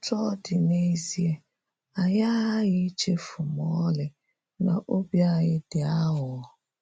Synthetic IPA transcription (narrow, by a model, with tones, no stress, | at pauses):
tɔ˦dɪ˨ne˦zi˦e˦ | a˨ja˦ɣɪ˦t͡ʃe˦fʊ˨mɔ˦lɪ˨ | na̰˨ʔo˦bja˦˨ɣɪ˦dɪ˨a˦ɦʊ˨˦